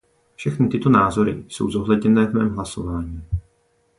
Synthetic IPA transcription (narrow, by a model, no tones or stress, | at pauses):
fʃɛxnɪt̪ɪt̪o̞naːzo̞ɾɪ̰so̞̰wzo̞ɦlɛdɲɛnɛːvmɛːmɦlaso̞vaːɲiː